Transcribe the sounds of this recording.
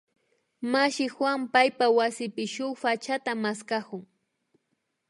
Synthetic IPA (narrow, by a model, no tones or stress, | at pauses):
maʃɪxwampajpawasɪpɪʃʊχfat͡ʃat̪amaskakʊŋ